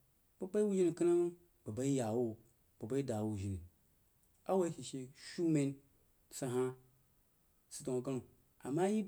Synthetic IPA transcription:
ba˦k͡pa˦i˦wu˦ʒi˦ni˨ki˦na˦ma˦ | ba˨ba˦i˦ja˨wo˦ | b̥a˨ba˦i˦da˨wu˨ʒi˨ni˨ | a˦wa˦i˦ʃi˨ʃe˨ʃu˦me˦n | sa˨ɦa˦ | si̥˨to˨ɡa˦n˨ | a̰˨ma˦ji˦

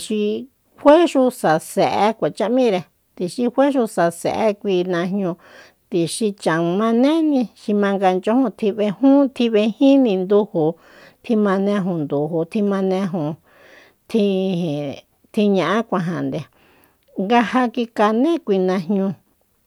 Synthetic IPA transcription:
ʃi˧ | hwe˦ʃu˧sa˨se˨ʔe˧kʷa˨t͡ʃa˦ʔmĩ˦ɾe˧ | t̪i˧ʃi˧hʷwe˦ʃu˧sa˧sḛ˨ʔe˦kʷi˧nã˧hɲũ˧ | t̪i˨ʃi˧t͡ʃã˨mã˧nẽ˦nĩ˧ʃi˧mã˧ŋɡa˧nt͡ʃo˦hũ˧t̪ʰi˧βe˧hũ˦t̪ʰi˧βe˧hĩ˦nĩ˧nd̪u˧hu˨ | t̪ʰi˧mã˧nẽ˧ɦũ˧˨nd̪u˨hu˨t̪ʰi˧mã˧nẽ˧ɦũ˧˨ | t̪ʰĩ˧˨ | t̪ʰi˧ɲã˧ʔã˦kʷã˧ɦã˨nd̪e˧ | ŋɡa˧ha˧ki˧ka˧nẽ˦kʷi˧nã˧hɲũ˧

